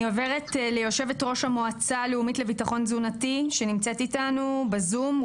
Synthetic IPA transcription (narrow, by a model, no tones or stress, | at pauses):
oveʁetlejo̞ʃe̞vetʁo̞ʃhamoat͡saleumitlevitaχo̞nzunatiʃenimt͡se̞titanubezum